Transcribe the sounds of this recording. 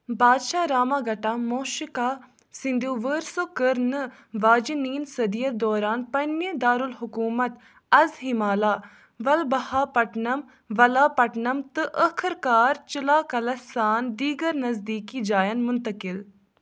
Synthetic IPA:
baːd̪ʃaːɾaːmaːɡɐʈaːmoːʃɪkaː | sɪnd̪joːʋəːɾsoːkəɾnɨ | ʋaːd͡ʒiniːnsɐd̪ijɐd̪ɔːɾaːnpɐnːjed̪aːɾulɦʊkuːmɐt̪ | ɐzɦɪmaːlaː | ʋɐlbɐhaːpɐʈnɐm | ʋɐlaːpɐʈnɐmt̪ɨʔəkʰɾkaːɾt͡ʃɪlaːkɐlɐsaːnd̪iːɡəɾnɐzd̪iːkiːd͡ʒaːjɐnmʊnt̪ɐkɪl

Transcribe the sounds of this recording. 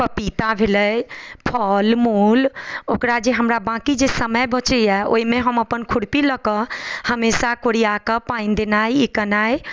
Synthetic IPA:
pəpit̪abʱeləjpʰɔːlmuːlokɾad͡ʒeɦəmɾabãkid͡ʒesəməjbʱə̃t͡ʃɛo̰imẽɦəməpənkʰʊɽpiləkəhəmesakoɽiakəpãĩnd̪enaːiikənaːj

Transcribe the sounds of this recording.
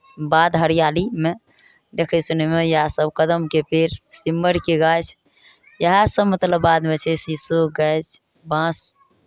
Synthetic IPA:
bad̪ɦəɾijalime | d̪ekʰəsunemejəɦasəbkəd̪əmkepeɾsimːəɾkeɡajt͡ʃʰ | jəɦãsəbmət̪ləbːad̪met͡ʃʰɛsisuɡɛjt͡ʃʰ | bãs

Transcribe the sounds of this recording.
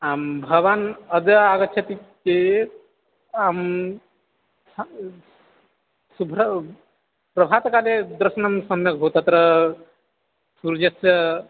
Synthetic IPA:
ambʱəɡbanəd͡ʒəaɡət͡ʃʰet̪iki | am | subʱɾ | pɾəbʱat̪kaled̪ɾsnamsəmjekɦot̪ət̪ɾə | suɾd͡ʒeə

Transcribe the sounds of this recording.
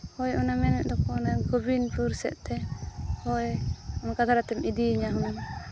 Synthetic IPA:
hɔjʔɔnamɛnɛʔ̪̚d̪ɔkɔːnaɡɔbinpuɾsɛ̰ʔt̪ɛhɔjɔnkad̪ʱaɾat̪ɛmʔid̪iɲaɦun

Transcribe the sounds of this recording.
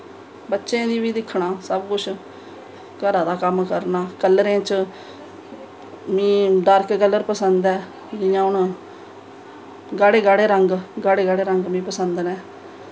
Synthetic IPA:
bətːʃẽːd̪iːbiːd̪ɪkʰːɳaːsəbkʊt͡ʃʰ | kəɾaːd̪aːkəmkəɾnaːkəlːɾẽːt͡ʃ | mĩːɖaːɾkkəlːəɾpəsənd̪ɛː | d͡ʒɪjãːʊɳ | ɡaːɽeːɡaːɽeːɾəŋɡɡaːɽeːɡaːɽeːɾəŋɡmĩːpəsənd̪nɛː

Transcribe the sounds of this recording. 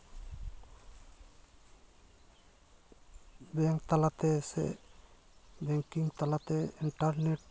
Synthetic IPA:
bɛŋkt̪alat̪ɛsɛ̰ | bɛŋkiŋt̪alat̪ɛiɳʈaɾneʈ̚

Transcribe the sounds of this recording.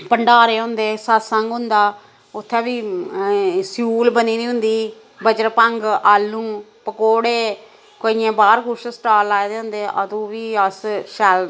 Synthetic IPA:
pəɳɖaːɾeːɦʊ̃nd̪eːsət̪səŋɡʊ̃nd̪aː | ʊt̪ʰːɛ̃ːbiː | sjuːlbəniːnĩːɦʊ̃nd̪iː | bəd͡ʒəɾpəŋɡaːlːũːpəkoːɽeː | koiːẽːbaːɾkʊʃsʈaːlaːed̪eːɦʊ̃nd̪eːʔə̰t̪ũːʋiːəsʃɛl

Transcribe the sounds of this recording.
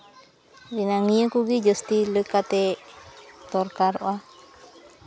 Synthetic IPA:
ɾinaŋĩə̃kuɡid͡ʒəst̪iləkat̪e | t̪oɾkaɾo̰ʔa

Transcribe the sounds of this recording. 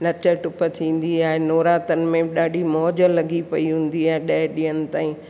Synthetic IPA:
nɐt͡ɕəʈʊpə̆t̪ʰĩːn̆d̪iaːɦenoːɾaːt̪ənɪ̆mẽɗaːɖʱimɔːd͡ʑlɐɡʱipɐiɦũːn̆d̪iaːɦeɗɐɦɪɗiːənɪ̆t̪aːĩ

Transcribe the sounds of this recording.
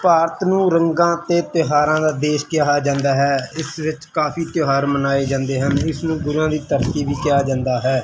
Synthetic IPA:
paːɾət̪nũːɾəŋɡãːt̪eːt̪joːɦaːɾãːd̪aːd̪eːʃkɪjaːɦaːd͡ʒãːnd̪aːɦɛːɪsʋɪt͡ʃkaːpʰiːt̪joːɦaːɾmənaːeːd͡ʒãːnd̪eːɦənɪsnũːɡʊɾuãːd̪iːt̪əɾt̪iːʋiːkɪjaːd͡ʒãːnd̪aːɦɛː

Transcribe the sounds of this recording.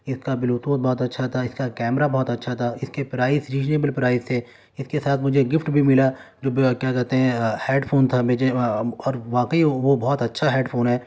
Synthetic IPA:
ɪskabɪloːt̪oːt̪̚bɔːt̪ɐtːʃʰat̪ʰaɪskakɛːmɾabɔːt̪ɐtːʃʰat̪ʰaɪskepɾaːɪsɾiːd͡ʒneːbəlpɾaːɪst̪ʰe | ɪskesaːt̪ʰmʊd͡ʒʱeɡɪfʈbʱimɪla | d͡ʒoːkjaːkɛɾt̪eɦɛ̃hɛːɖpʰoːnt̪ʰamed͡ʒeɔːɾʋaːkəiʋobɔːt̪ɐtːʃʰaɦɛːɖpʰoːnɦɛː

